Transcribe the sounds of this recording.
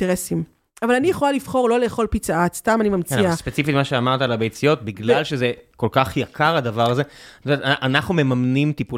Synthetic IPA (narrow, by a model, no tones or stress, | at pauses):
eʁesim | avalanijeχo̞lalifχo̞ʁlo̞le̞ːχo̞lpit͡saatst̪amanimamt͡sniaspet͡sifitmaʃeamaʁt̪alabejt͡sijo̞t̪̚biɡlalʃezeko̞lkaχjakʰaʁadavaʁaze̥tomeetʔanaχnume̞mamnimt̪ipu